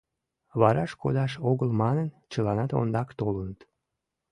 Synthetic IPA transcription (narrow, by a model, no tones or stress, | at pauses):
βɑɾɑʃkod̪ɑʃoɣəlmɑnən | t͡ɕəlɑnɑt̪o̰nd̪ɑkt̪olənət̪